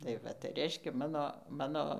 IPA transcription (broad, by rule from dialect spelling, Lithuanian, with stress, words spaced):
tɐɪ ˈʋɐ tɐɪ ˈrʲɛɪʃʲkʲɛ ˈmɑːnoː ˈmɑːnoː